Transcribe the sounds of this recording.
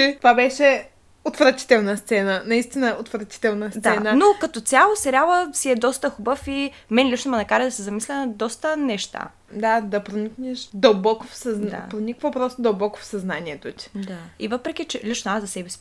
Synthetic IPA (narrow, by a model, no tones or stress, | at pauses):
ɛvabɛʃɛ | ot̪vɾɐt̪i̥t̪ɛlˠnəst̪sɛnənɐist̪inəot̪vɾɐt̪i̥t̪ɛlˠnəsd̪sɛnənokɐt̪ot̪sʲjalˠosɛɾʲalˠəsiɛd̪ɔst̪əxubəfi | mɛnlʲit͡ʃnomɐnɐkaɾɐd̪ɐsɛzɐmislʲɛnɐd̪ɔst̪ənɛʃt̪a̰ | d̪ad̪ɐpɾoniknɛʃd̪ɐlˠbɔkofsɐznd̪a̰pɾonʲikvəpɾɔst̪od̪ɐlˠbɔko̥fsɐznaniɛt̪ot̪ʲi̥d̪aivəpɾɛk̟it͡ʃɛlʲit͡ʃnoazɐsɛbɛsʲi̥